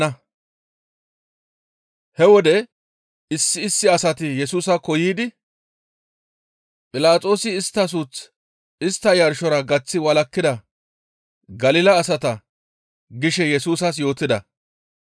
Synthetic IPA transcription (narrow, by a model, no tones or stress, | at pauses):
ɐ | hɛwɔd̪ɛ | ɪsːɪːsːɪɐsɐt̪ɪjɛsuːsɐkɔjiːd̪ɪ | pʼɪlaːt͡sʼo̞ːsɪːst̪ːɐs̬ut͡s | ɪst̪ːɐjɐɾʃɔɾɐɡɐt͡sːɪwɐlɐkːɪd̪ɐ | ɡɐlɪlɐːsɐt̪ɐ | ɡɪʃɛjɛsuːs̬ɐs̬jo̞ːt̪ɪd̪ɐ